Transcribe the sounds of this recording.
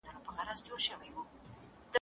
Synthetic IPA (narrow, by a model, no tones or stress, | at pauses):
d̪ənopəɣaɾazd͡ʒoɾʃəwajwu | d̪̥